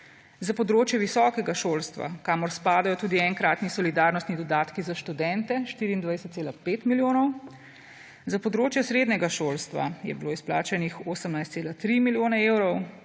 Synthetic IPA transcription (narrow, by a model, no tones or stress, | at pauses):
zapɔd̪ɾoːt͡ʃjɛʋisɔːkɛɡaʃoːlst̪ʋa̰kaːmɔɾspaːd̪ajɔt̪uːd̪iɛŋkɾaːt̪nisɔlid̪aɾnɔst̪nid̪ɔd̪aːt̪kizaʃt̪ud̪ɛnt̪ɛʃt̪iːɾiːnd̪ʋajsət̪seːlapeːt̪miljoːnɔw | zapɔd̪ɾoːt͡ʃjɛsɾeːd̪nɛɡaʃoːlst̪ʋa̰jɛ̰biloːisplaːt͡ʃɛnixoːsəmnajst̪seːlat̪ɾimiljoːnɛewɾɔw